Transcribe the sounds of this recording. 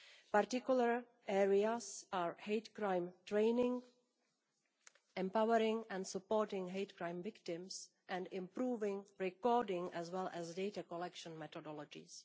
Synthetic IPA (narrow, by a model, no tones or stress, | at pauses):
paɾtɪkjulaɹ | ɛɹiasaːɹhejtkɾãjmtɹẽjnɪ̃ŋ | ʔɛ̃mpawəɾɪ̃ŋɛ̃ndsupoɾtɪ̃ŋɦejtkɾãjmvɪktɪ̃ms | ʔɛ̃ndɪ̃mpɾuːvɪ̃ŋɹɛkɔdɪ̃ŋɛzwɛlʔɛzdejtakolɛkʃɔ̃nmɛt̪ɔdɔlɔd͡ʒɪ̰s